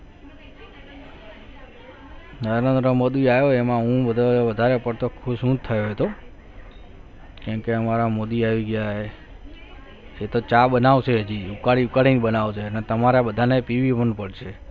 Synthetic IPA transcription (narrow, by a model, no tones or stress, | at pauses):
nəɾɾend̪ɾəmod̪iajoemãɦũʋəd̪ʱoʋəd̪ʱaɾepəɽt̪okʰuʃũt̪ʰəjoɦet̪o | kãmkeəmaɾamod̪iaʋiɡjaɦe | et̪ot͡ʃaɓənaʋt͡ʃʰed͡ʒiukaɭiukaɭiniɓənaʋt͡ʃʰeənet̪əmaɾabəd̪ʱanepiʋipəɳpəɽʃʰe